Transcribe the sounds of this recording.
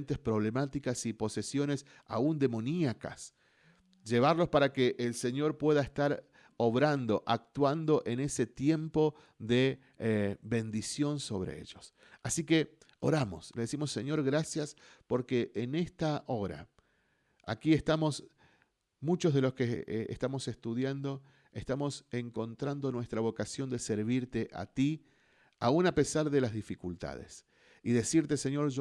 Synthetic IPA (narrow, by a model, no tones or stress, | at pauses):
nt̪espɾo̞β̞le̞mat̪ikasipo̞se̞sjo̞ne̞s | a̰und̪e̞mo̞niaka̰s | ʒe̞β̞aɾlo̞spaɾakeʔːlse̞ɲo̞ɾpwe̞ðaest̪aɾ | oβɾand̪o̞ʔak̚t̪wand̪o̞ʔe̞ne̞se̞t̪je̞mpo̞ | ðe̞ | βe̞nd̪isjo̞nso̞βɾḛḛʒo̞s | asike̞o̞ɾamo̞̰sleðesimo̞sːeɲo̞ɾɣɾasjaspo̞ɾkeʔːnest̪aʔo̞ɾa̰ | a̰kie̞st̪amo̞s | mut͡ʃo̞zð̞e̞lo̞skeḛst̪amo̞sest̪uðjand̪o̞ | est̪amo̞seŋko̞nt̪ɾand̪o̞nwe̞st̪ɾaβ̞o̞kasjo̞nd̪e̞seɾβiɾt̪e̞ʔa̰t̪i | aunape̞saɾðe̞lazðifikult̪a̰ð̞ḛs | iðe̞siɾt̪eseɲo̞ɾʒ